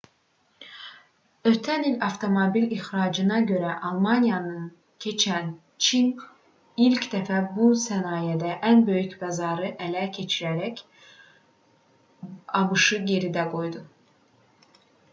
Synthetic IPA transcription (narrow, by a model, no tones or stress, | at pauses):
øt̪ʰænilɑft̪ʰo̞mobilixɾɑːd͡ʒɯnɑɟø̞ɾæʔɑlˠmɑnijɑnɯn | cʰe̞t͡ʃʰæn | t͡ʃʰin | ilcd̪æfæbusænɑːjed̪æʔænbø̞jycbæzɑːɾɯʔælæcʰe̞t͡ʃʰiɾæɾæc | ɑbɯʃɯje̞ɾid̪æɡo̞jd̪u